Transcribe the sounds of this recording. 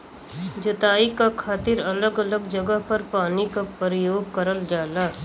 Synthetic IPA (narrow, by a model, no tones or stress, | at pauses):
d͡ʒɐt̪aːikakʰaːt̪ɪɾɐləɡələɡd͡ʒəɡəɦpɐɾpaːnikapɾəjoːɡ̚kəɾəld͡ʒaːlaː